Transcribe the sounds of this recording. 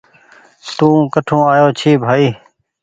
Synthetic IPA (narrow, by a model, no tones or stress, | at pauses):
t̪ũːkəʈʰõːaːjoːt͡ʃʰiːbʱaːiː